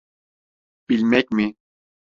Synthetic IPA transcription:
pilmɛk̚mi

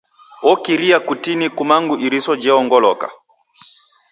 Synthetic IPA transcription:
ɔkiɾiakutinikumaŋɡuʔiɾisɔd͡ʒɛɔŋɡɔlɔka̰

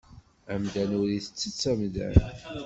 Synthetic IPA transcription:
æmd̪ænuɾiθə̥t͡sːət͡sːæmðæ̰

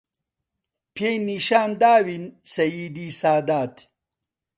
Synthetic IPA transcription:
pʰeniɕaːnd̪aːwinsɐjiːd̪iːsaːd̪aːt̪ʰ

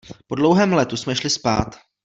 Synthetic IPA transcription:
po̞dlowɦɛːmlɛt̪usmɛʃlɪspa̰ːt̪

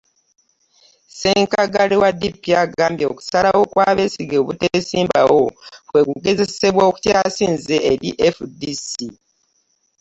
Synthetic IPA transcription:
seːŋkaɡalewadipːiaɡaːmbjoːku̥salawo̞kwaːβe̞siɡeːβutesiːmbawo̞fwe̞kuɡe̞ze̞se̞βwoːku̥tjaːsiːnzeeɾiʔefudisi

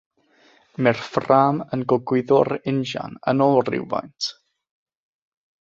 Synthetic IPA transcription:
mɛrfraːmənɡɔɡwɪðɔɾɪnʒa̰nənɔlrɪ̰wva̰jntʰ

